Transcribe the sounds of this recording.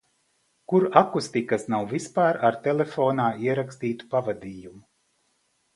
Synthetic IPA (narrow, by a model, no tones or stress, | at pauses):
kuɾakust̪ikasnawvispaːɾaɾt̪elefoːnaːiɛɾakst̪iːt̪u̥pavad̪iːjumu